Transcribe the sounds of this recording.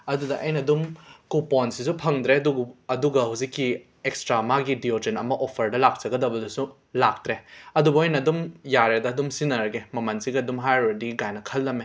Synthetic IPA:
ɐdudɐʔɐjnɐdumkuponsisupʰɐŋdɾeɐduɡɐduɡɐhuwzikːi | ekstɾamaɡidiod͡ʒenɐmɐʔopʰːɐɾdɐlak̚t͡ʃɐɡɐdɐbɐdɐsu | lak̚tɾeɐdubɐojnɐdumjaɾedɐːdumsinɐɾɐɡemɐmɐnsiɡiɐdumɦajɾɐdiɡiɡajnɐkʰɐlːɐme

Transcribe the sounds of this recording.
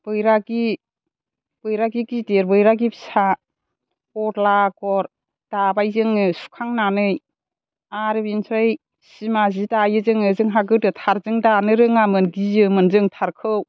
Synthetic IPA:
b̥ɯjɾaɡi | b̥ɯjɾaɡiɡideɾbɯjɾaɡipi̥sa | kɔɾlaɡɔɾ | d̥abajzɯŋɯsu̥kʰaŋnanɯj | aɾɯbinsʰɯj | simazidajɯzɯŋɯzɯŋɦaɡɯtɯtʰaɾzɯŋdanɯɾɯŋamɯnɡizɯmɯnzɯŋtʰaɾkʰɯw

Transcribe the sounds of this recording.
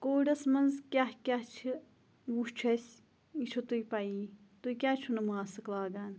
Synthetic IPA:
koːɖɐsmɐnzkʲaɦkʲat͡ʃʰi | ʋut͡ʃʰɐsʲ | it͡ʃʰot̪ujpɐiː | t̪uikʲaːt͡ʃʰunɐmaːsɨklaːɡaːn

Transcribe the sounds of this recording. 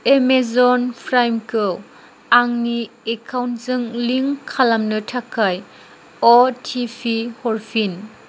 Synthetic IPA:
emezɔnpʰɾajmkʰɯ | aŋniekʰawnzɯŋliŋkʰalɐmnɯtʰakʰːaj | ɔtʰipʰihɔɾpʰin

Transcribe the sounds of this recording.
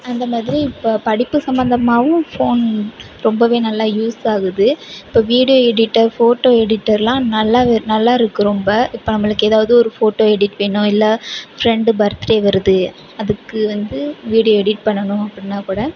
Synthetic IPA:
ɐnd̪ɐmaːðɪɾiɪpːopɐɽɪpːɯsɐmbɐnd̪ɐmaːʋɯ̃foːn | ɾɔmbɐʋeːnɐlːaːjuːsaːɣɯðɯɪpːoːʋiːɽɪjoːɛɽɪʈːɐɾfoːʈːoːɛɽɪʈːɐɾlãːnɐlːaːnɐlːaːɪɾɯkːɯɾɔmbɐɪpːoːnɐmːɐɭɯkːɯeːðaːʋɐðɯɔɾɯfoːʈːoːɛɽɪʈːʋeːɳʊ̃ɪlːɐfɾɛɳɖɯbɐɾɐt̪ːɪɾeːʋɐɾɯðɯ | ɐðɯkːɯʋɐnd̪ɯʋiːɽɪjoɛɽɪʈ̚pɐɳːɐɳʊ̃ɐpːɐɽɪnːaːkuːɽɐ

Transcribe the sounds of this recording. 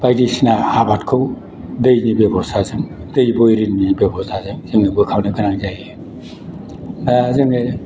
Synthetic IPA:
b̥ajdisinaabatkʰɯw | dɯjnibebɔsʰazɯmdɯjbɔjɾinːibebɔstʰazɯmzɯŋnibɯkʰawnɯɡɯnaŋzaj | zɯmne

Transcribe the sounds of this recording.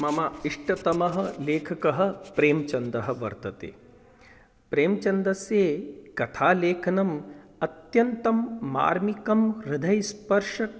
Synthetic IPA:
mɐmɐiʂʈɐt̪ɐmɐɦɐ̆leːkʰɐkɐɦɐ̆pɾeːmt͡ʃɐnd̪ɐɦɐ̆ʋɐ̰ɾt̪ɐt̪ḛː | pɾeːmt͡ʃɐnd̪ɐsjeːkɐt̪ʰaːleːkʰɐnɐmɐt̪jɐnt̪ɐmːa̰ːɾmikɐmɾɪd̪ʱɐjspɐɾʂɐk

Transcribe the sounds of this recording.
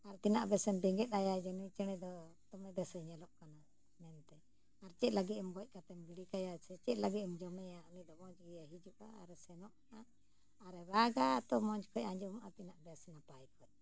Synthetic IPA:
aɾt̪inaʔbɛsɛnbɛŋɡɛt̪̚ajad͡ʒɛnuit͡ʃɛɽ̃ɛd̪ɔt̪ɔmɛbɛsɛɲɛlɔʔkana | mɛnt̪ɛ | aɾt͡ʃɛʔlaɡit̪ɛmɡɔc̚ˀkat̪ɛmbiɽikajasɛt͡ʃɛʔ̚laɡit̪md͡ʒɔmɛjaunid̪ɔmɔ̃d͡ʒɡɛjaɦid͡ʒuʔa̰aɾsɛnɔʔna | aɾɛβaɡat̪ɔmɔd͡ʒkʰɔcãɲd͡ʒɔmaʔat̪inaʔbɛsɛnapajkʰɔj̚

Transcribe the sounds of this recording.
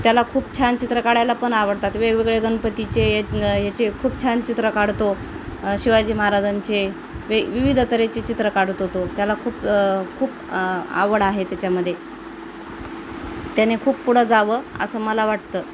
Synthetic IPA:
t̪jalakʰuːpt͡ɕʰant͡ɕit̪ɾəkaɽajlapəɳaʋəɽt̪at̪ʋeɡʋeɡɭeɡənpət̪it͡ɕejejat͡sekʰuːpt͡ɕʰant͡ɕit̪ɾəkaɽ̤t̪o | ɕiʋad͡ʑiːməɦaɾad͡zant͡ɕe | ʋeʋiʋid̪ʱt̪əɾet͡ɕet͡ɕit̪ɾəkaɽ̤t̪ɦot̪ot̪jalakʰuːpkʰuːp | a̰ʋəɽaɦet̪jat͡ɕjaməd̪ʱje | t̪janekʰuːppuɽ̤əd͡zaʋəə̰səːməlaʋaʈ̚t̪əː

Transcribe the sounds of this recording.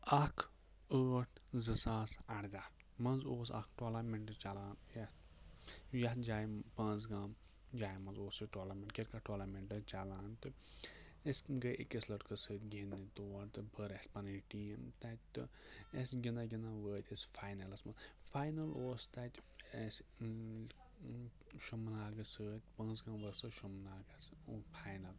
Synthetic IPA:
ɐkʰ | əːʈʰzɨsaːsɐɽd̪ʲa | mɐnzoːsɐ̰kʈoːlameɳʈɨt͡ʃalaːnjɐt̪ | jɐt̪d͡ʒaːjpãːnt͡sɡaːm | d͡ʒaːjmɐnzoːsiʈoːlaɾmʲẽɳʈkʲeɾʲkɐʈoːlameɳʈɨt͡ʃalaːnt̪ɨ | esɡəʔḛkʲeslɐʈkɐsəːt̪ʲɡʲenːit̪oːɐɾt̪ɨbəɾesʲpɐniʈiːmt̪atʲt̪ɨesɡʲinaɡʲinaʋəːt̪ʲesfʰaːjnɐlɐsmɐfaːjnɐloːst̪at̪ʲes | ʃumnaːɡɨsəːt̪ʲpɐ̃ːnzɡãːmʋəsɨʃumnaːɡɐspʰaːjnɐl

